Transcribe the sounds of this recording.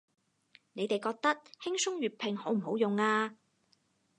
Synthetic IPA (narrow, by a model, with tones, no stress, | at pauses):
ne˨˧jt̪e˨jkɔː˧k̚t̪ɐ˥t̚hɪ˥ŋsʊ˥ŋɥyː˨˩t̚pʰɪ˨ŋho˨˥wm̩˨˩ho˨˥wjʊ˨ŋaː˧